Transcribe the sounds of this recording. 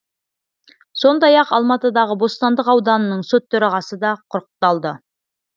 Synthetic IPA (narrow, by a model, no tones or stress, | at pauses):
so̞nd̪ɑjɑqɑlˠmɑt̪əd̪ɑʁəbo̞st̪ɑnd̪əqɑwd̪ɑnənəɴsot̪ʰːɵɾɑʁɑsəd̪ɑqʰʊɾqə̥t̪ːɑlˠd̪ə